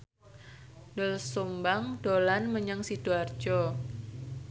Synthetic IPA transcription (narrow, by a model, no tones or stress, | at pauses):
nəlsumbaŋd̥olanməɲaŋsid̥uar̥d͡ʒɔ